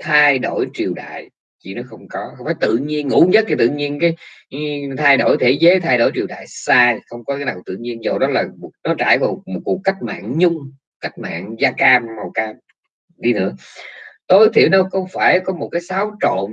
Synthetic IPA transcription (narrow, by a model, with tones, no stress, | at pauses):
t̪ʰaː˧jɗo˧˩jt͡ɕi˨˩əwɗa̰ː˧˨j | t͡ɕḭ˧˨nɔ˨˦xə˧wŋ͡mkɔ˨˦xə˧wŋ͡mfaː˨˩jt̪ɨ̰˧˨ɲi˧ənŋṵ˧˥ɲə˦˥t̚kʰi˨˩t̪ɨ̰˧˨ɲi˧ənkaː˨˦j | t̪ʰaː˧jɗo˧˩jt̪ʰe˧˩˦zə˨˦t̪ʰaː˧jɗo˧˩jt͡ɕi˨˩əwɗa̰ː˧˨jsaː˧˨xə˧wŋ͡mkɔ˨˦kaː˨˦naː˨˩t̪ɨ̰˧˨ɲi˧ənzo˨˩ɗɔ˨˦laː˨˩˨nɔ˨˦t͡ɕa̰ː˧˩jva˨˩mo˨˩t̚ku˨˩əkːa˦˥k̟̚ma̰ː˧˨ŋɲʊ˧ŋ͡m | ka˦˥jk̟̚ma̰ː˧˨nzaː˧kaː˧mːa˨˩wkaː˧m | ɗi˧nɨ̰˧˥ət̪o˧jt̪ʰḭ˨˧˩əwnə˨˧˦wxə˧wŋ͡mfaː˧˩jkɔ˨˦mo˨˩t̚kaː˨˦jsaː˨˦wt͡ɕo̰˧˨n